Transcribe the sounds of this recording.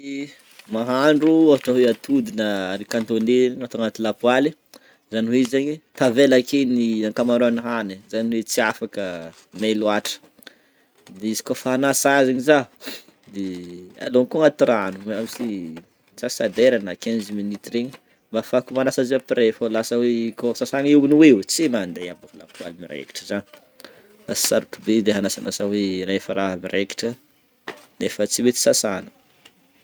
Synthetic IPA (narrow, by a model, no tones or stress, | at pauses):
maɦaɳɖ͡ʐuavaʈ͡ʂəɦeat̪ud̪inəaɾikant̪oneŋat̪aŋat̪ilapwale | zaniweizaɲwet̪avelakeniaŋkamaɾoaniɦanezaniwet͡siafakə | meluaʈ͡ʂə̥ | d̪eizi̥kofaanasazeɲiza | d̪ea̰lonkuaŋat̪iɾanueamisi | z̥asad̪eɾanakeniziminit̪ɾeɲi | mbafakumanasaziapiɾefalasəwekosasaneunuwewt͡semand̪ejabukulakua̰limiɾḛki̥ʈ͡ʂəzani | fai̥saɾukubed̪eɦanasa̰nasaweɾaefəɾaɦmirʔeki̥ʈ͡ʂə | nefət͡siwet͡si̥sasanə̥